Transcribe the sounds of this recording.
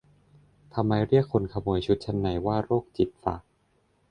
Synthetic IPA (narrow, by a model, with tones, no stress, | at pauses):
t̪ʰa˧mːa˧jɾi˥˩əkʰːo˧nkʰa˧moː˧˩əjt͡ɕʰu˦˥t̪̚t͡ɕʰa˧nːa˨˩˦jwaː˥˩ɾoː˥˩k̚t͡ɕi˨˩p̪̚fa̰˨˩k̚